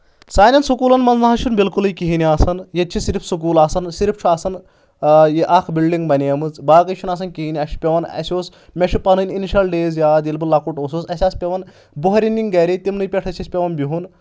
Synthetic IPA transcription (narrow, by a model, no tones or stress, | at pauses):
saːnʲɐnsukuːlɐnmɐnznɐɦɐʃʰunbilkulijkiɦiniaːsɐnjet̪t͡ʃʰisiɾifʰsuk̬uːlaːsɐnsiɾipʰt͡ʃʰuaːsɐn | jiʔɐkʰbilɖiŋɡbɐnʲijɐmɨt͡sbaːkɐʃʰunɐs̬ɐnkiɦinʲiɐʃʰi̥pʲeʋɐnɐ̰sʲoːs | mʲeʃʰupɐnɨnʲiniʃɐlɖeːzjaːd̪ilbɨlːɐkuʈoːsoːsɐsʲaːspʲeʋɐn | buɦɐɾʲinʲːiŋɡɐɾit̪ʲimnɨjpʲeʈʰɐsʰʲɐsʲpʲeʋɐnbʲiɦun